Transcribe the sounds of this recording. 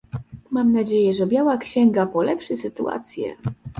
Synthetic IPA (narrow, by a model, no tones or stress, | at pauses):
mamnad͡ʑejɛʐɛbʲjawakɕɛŋɡapɔlɛpʂɛsɘt̪ua̰t̪sʲjɛ̰